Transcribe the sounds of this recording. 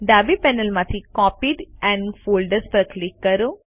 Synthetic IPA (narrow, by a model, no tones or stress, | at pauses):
ɖaːbipɛnəlmãt̪ʰikɔːpiːɖɛ̃ɳɖfoːlɖəɾspəɾklɪkːɐɾo